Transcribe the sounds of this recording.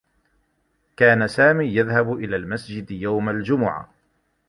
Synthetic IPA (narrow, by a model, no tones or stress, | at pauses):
kaːnasaːmiːjaðhabʔɪlaːlmasd͡ʒɪd̪jawmald͡ʒʊmʊʕa̰